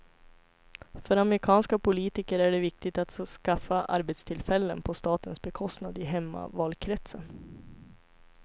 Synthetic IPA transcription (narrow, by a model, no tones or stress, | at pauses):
fœɾamɾɪkʰɑːnskapʰʊliːt̪ɪkəɾæɖɛvɪk̚t̪ɪɡt̪at̪skafaʔa̰ɾbɛt̪st̪ʰɪlfɛlːə̰npʰɔst̪ɑːt̪ənsbɛkʰɔst̪nad̪ɪɦɛmːa̰vɑːlkʰɾɛt̪sən